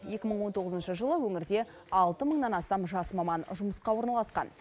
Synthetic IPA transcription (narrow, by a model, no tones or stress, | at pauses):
je̞kʲɪməɴwo̞nt̪ʰo̞ʁəzənʃəʒəlˠəwɵŋɪɾd̪e̞ | ɑlˠt̪əməɴnɑnɑst̪ɑmʒɑsmɑmɑnʒʊməsqɑwo̞ɾnɑlˠɑsqɑ̰n